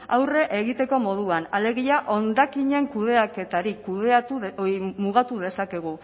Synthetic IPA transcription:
a̰wre̞ʔeɣit̪e̞ko̞mo̞ð̞uanale̞ɣ̞iaʔo̞nd̪akiɲe̞ŋkuðe̞ake̞t̪aɾikuðeat̪umuɣ̞at̪uðe̞sake̞ɣ̞u

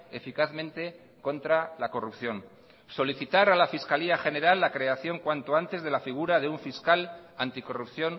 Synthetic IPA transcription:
e̞fikaθmẽnt̪e̞ | ko̞nt̪ɾalako̞rupθjo̞n | so̞liθit̪aɾalafiskaliaxe̞ne̞ɾalːakɾe̞aθjo̞ŋkwant̪oant̪e̞zðe̞lafiɣ̞uɾaðe̞uɱfiskalant̪iko̞rupθjo̞n

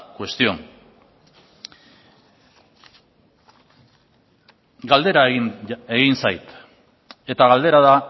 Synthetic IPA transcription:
kwe̞st̪io̞ŋ | ɡald̪e̞ɾae̞ɣinsajt̪ | e̞t̪aɣald̪e̞ɾaða

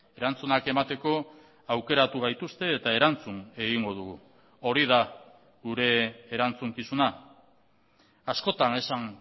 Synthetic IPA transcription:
e̞ɾant͡sunake̞mat̪e̞ko̞ | awke̞ɾat̪uβ̞ajt̪ust̪e̞ːt̪ae̞ɾant͡sune̞ɣiŋɡo̞ð̞uɣu | o̞ɾið̞a | ɡuɾe̞ːɾant͡suŋkisuna | asko̞t̪ane̞saŋ

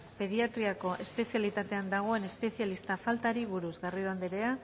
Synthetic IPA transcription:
pe̞ð̞iat̪ɾiako̞ʔe̞spe̞sialit̪at̪e̞and̪aɣ̞o̞e̞ne̞spe̞sijalist̪afalt̪aɾiβ̞uɾuzɣarioand̪eɾe̞a

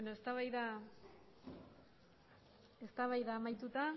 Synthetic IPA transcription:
benoest̪aβajða | e̞st̪aβajðaːmajt̪ut̪a

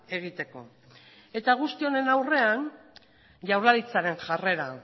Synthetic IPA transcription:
e̞ɣ̞it̪e̞ko̞ | e̞t̪aɣ̞ust̪io̞ne̞nawre̞an | ʝawɾlaɾit͡saɾe̞ŋʝare̞ɾa

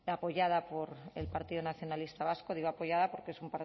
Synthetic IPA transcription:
apo̞ʝað̞apo̞ɾḛlpaɾt̪iðonaθjo̞nalist̪aβasko̞ðiɣo̞apo̞ʝaðapo̞ɾkee̞sumpaɾ

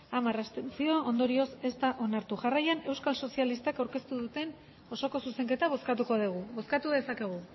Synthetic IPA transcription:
amarast̪ent͡sio̞ond̪o̞ɾio̞se̞st̪aʔo̞naɾt̪uʝarajane̞wskalso̞sialist̪akawɾke̞st̪uðut̪e̞n | o̞so̞ko̞suse̞ŋke̞t̪aβ̞o̞skat̪uko̞ðiɣ̞uβo̞skat̪uðe̞sake̞ɣ̞u

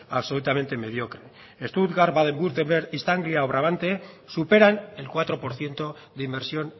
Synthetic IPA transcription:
aβso̞lut̪ame̞nt̪e̞me̞ð̞jo̞kɾe | est̪ut̪ɣaɾβaðembuɾt̪embeɾist̪aŋɡliaoβɾaβ̞ant̪e̞supe̞ɾane̞lkwat̪ɾo̞po̞ɾθje̞nt̪o̞ðimbe̞ɾsjo̞n

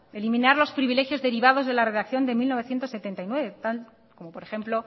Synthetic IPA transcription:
e̞limĩnaɾlo̞spɾiβile̞xjozðe̞ɾiβaðo̞zðe̞lare̞ðakθjo̞nd̪e̞milno̞βe̞θje̞nt̪ose̞t̪e̞nt̪ajnwe̞βe̞t̪al | komo̞po̞ɾexe̞mplo̞

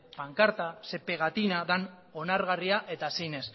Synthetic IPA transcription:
paŋkaɾt̪ase̞pe̞ɣ̞at̪inaðan | o̞naɾɣariaʔe̞t̪asejne̞s

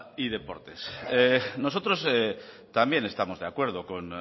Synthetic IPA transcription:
iðe̞po̞̰ɾt̪esenosot̪ɾose | t̪ambje̞ne̞st̪amo̞zðeakwe̞ɾð̞okon

